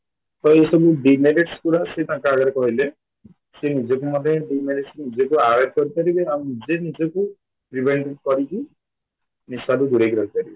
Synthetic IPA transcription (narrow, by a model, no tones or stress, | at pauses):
t̪ɔjesɔbuɖimeɾeʈskuɾaset̪ãkaːɡaɾekɔɦile | senid͡ʒɔk̬umɔd̪eɖimeɾeʈsnid͡ʒekuaɾet̪̚kɔɾipaɾibeaminid͡ʒenid͡ʒɔku | pɾibeɳʈeʈkɔɾiki | nisaɾud̪uɾekiɾɔkipaɾibe